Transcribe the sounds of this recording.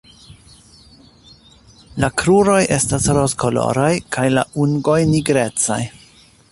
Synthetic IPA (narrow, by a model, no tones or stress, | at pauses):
lakɾuɾo̞jʔe̞stasɾoskolo̞̰ɾajkʰajla̰ʔuŋɡo̞jniɡɾe̞t͡sa̰j